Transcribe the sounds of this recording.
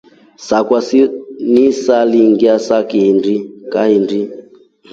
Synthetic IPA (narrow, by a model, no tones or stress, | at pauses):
sakwasinisaliŋɡiasakindikahindi